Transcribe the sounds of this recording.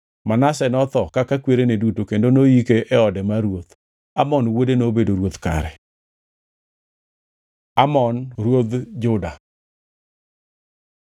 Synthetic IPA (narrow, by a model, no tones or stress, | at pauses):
manasɛnɔt̪ɔkakakweɾenedutokendonoikeʔɛɔdɛmaɾwot̪ | amɔnwodenobedoɾwot̪ka̰ɾɛ | amɔnɾwod̪d͡ʒʊda